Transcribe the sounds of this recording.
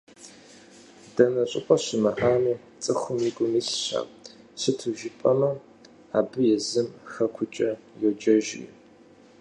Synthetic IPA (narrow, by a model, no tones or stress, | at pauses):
d̥ɐnɐɕʼɪqʷʼɔɕɪmɐʔaːmiː | t͡sʼɨxʷʊmiɡʷʼʊmiːɕɕa̰ːp | ɕɨtʰɨʒɪpʼɐmɐ | aːbɨjɛzɨmxɐkʷʰʊt͡ʃʼɐ | jɛd͡ʒɐʒɪɪ̰